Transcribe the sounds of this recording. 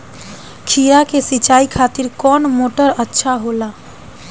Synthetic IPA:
kʰijakesit͡ʃaːikʰat̪iɾkɔːnmoːʈəɾətːʃʰaɦola

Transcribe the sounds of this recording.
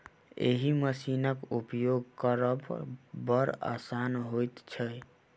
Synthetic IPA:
ḛɦiməsinəkupjoɡkəɾəbbəɾa̰sanɦojt̪t͡ʃʰəj

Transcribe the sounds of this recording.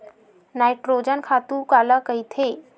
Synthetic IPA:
najʈɾod͡ʑənkʰat̪ukaləkəjt̪ʰe

